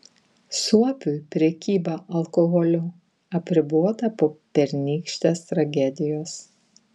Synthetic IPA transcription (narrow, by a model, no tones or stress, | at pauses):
suɔpʲujpʲɾʲɛkʲiːbɐʔɐlˠkɔɣɔlʲʊ | ɐpʲɾʲɪbuɔt̪ɐpoːpʲɛɾʲnʲiːkʃʲt̪ʲeːst̪ɾɐɡʲɛd̪ʲɪjoːs